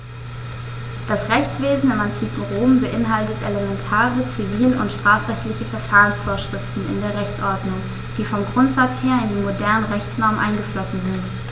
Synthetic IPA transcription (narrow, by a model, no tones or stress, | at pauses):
d̥asʁɛçt͡sv̥eːzn̩ɪmantʰiːkŋ̩ʁoːmbəʔɪnɦaltətʔeləmɛntʰaːʁət͡siviːlənʔʊ̰ntʃtʁ̥aːfʁ̥ɛçtlɪçəfɛɐfaːʁənsfoːɐʃʁ̥ɪftn̩ɪ̰ndeːɐʁɛçt͡sʔɔɐdnʊŋ | d̥iːfɔmɡʁʊntz̥at͡sheːɐɪndiːmodɛɐnəʁɛçt͡snɔɐmənʔa̰ɪnɡəflɔsn̩zɪnt